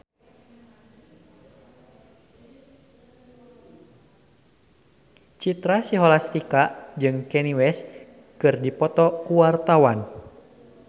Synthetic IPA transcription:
t͡ʃit̪ɾasiɦɔlast̪ikaʔd͡ʒɨŋkɛniwɛs | kɨrdipɔt̪ɔkuwart̪awan

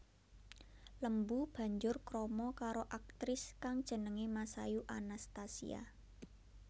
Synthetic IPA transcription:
ləmbub̥a̤ɲd͡ʒʊrkɾɔmɔkaɾoʔak̚t̪ɾɪskaŋd̥ʒ̥ə̤nəŋemasa̰juʔanast̪asḭa̰

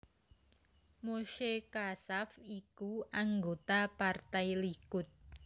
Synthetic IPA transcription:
moʃekasafikuaŋɡot̪apart̪ajlikʊt̪̚

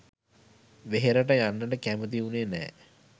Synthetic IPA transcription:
ʋeɦeɾəʈəjanːəʈəkæmət̪̬iuneːnɛ̰ː

